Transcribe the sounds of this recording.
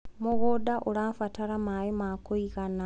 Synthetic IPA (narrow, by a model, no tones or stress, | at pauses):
muɣodaʔolaːfataɾamajimakoiɣana